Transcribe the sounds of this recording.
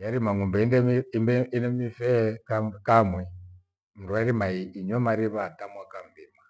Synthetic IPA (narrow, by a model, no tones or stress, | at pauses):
jaɾimaŋumbɛinɛimbɛinɛmifɛkakamwɛ | m̩ɾuaɾimaiːɲɛmaɾiβatamwakam̩dima